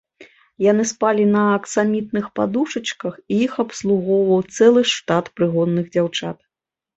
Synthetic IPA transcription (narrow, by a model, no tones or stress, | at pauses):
janɨspalʲinɐːksamʲit̪̚nɨxpad̪uʂɐt͡ʂkɐxiixɐpslˠuɣɔwvɐwt̪sɛlˠɨʂt̪at̪pɾɨɣɔd̪ːɨɣd͡zʲawt͡ʂat̪̚